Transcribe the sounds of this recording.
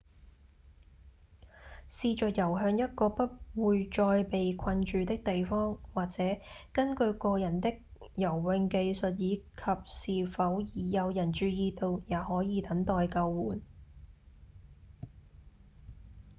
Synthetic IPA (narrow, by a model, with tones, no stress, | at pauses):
siː˨˧t͡ʃœː˨t̚jɐ˨˩wɦœː˧ŋjɐ˥t̚kɔː˧pɐ˥t̚wuː˨jt͡ʃɔː˧jpe˨jkʰɐ˧nt͡ʃyː˨˧t̪ɪ˥k̚t̪e˨jfɔː˥ŋwaː˨k̚t͡sɛː˨˥kɐ˥nkɵ˧ɥkɔː˧jɐ˨˩nt̪ɪ˥k̚jɐ˨˩wːɪ˧ŋke˧jsɵ˨t̚jiː˨˧kʰɐ˨p̚siː˨fɐ˨˥wjiː˨˩jɐ˨˧wjɐ˨˩nt͡ʃyː˨˧jiː˧t̪o˧wjaː˨˧hɔː˨˥jiː˨˧t̪ɐ˨˥ŋt̪ɔː˨˧jkɐ˧wːuː˨˥n